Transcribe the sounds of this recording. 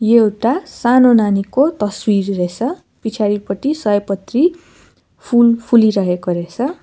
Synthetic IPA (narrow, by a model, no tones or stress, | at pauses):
jewʈasanonanikot̪ʌswirret͡sʰʌ | pit͡sʰaɾipʌʈ̪isʌjpʌt̪ri | pʰulpʰuliɾʌɦekoɾet͡sʰʌ